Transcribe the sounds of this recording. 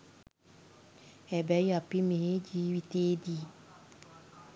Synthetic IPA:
ɛbɛjapimeed͡ʒiwiteːdi

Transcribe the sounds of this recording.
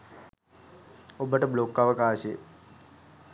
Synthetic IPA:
obəʈəblokːaʋəkaːʃeə̰

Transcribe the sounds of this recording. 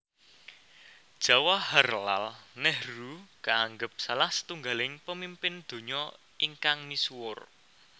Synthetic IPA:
d̥ʒ̥ä̤wahərla̰lnɛhrukaaŋɡəp̚salahsə̥t̪uŋɡalɪŋpəmimpɪnd̪̥o̤ɲɔ | iŋkaŋmiswʊr

